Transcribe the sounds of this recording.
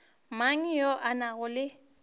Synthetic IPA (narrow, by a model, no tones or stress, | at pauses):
maŋ̩jɔʔanaɣʊlɪ